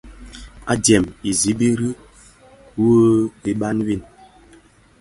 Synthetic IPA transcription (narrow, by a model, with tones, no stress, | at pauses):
a̰˦djɛ˨mi˨zi˨˦bi˦ɾi˦ | wo˦bi˦ɓa˦nwi˦˨n